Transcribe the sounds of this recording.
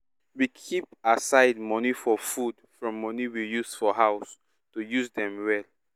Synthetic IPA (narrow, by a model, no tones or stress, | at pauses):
wikʰip̚asaɪd̚mɔnifɔfudfɹɔ̃mːɔniwijusfɔɦaʊs | tujuzdɛ̃mwɛl